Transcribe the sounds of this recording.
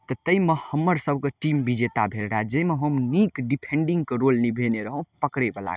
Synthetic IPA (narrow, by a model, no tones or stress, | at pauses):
t̪ɔt̪əimehəmːəɾsəb̚ʱkeʈimbid͡ʒet̪abʱelɽad͡ʒeimeɦəmnikɖipʰeɳɖiŋɡkeɾolnibʱeneɾəɦə̃pəkɾebəla̰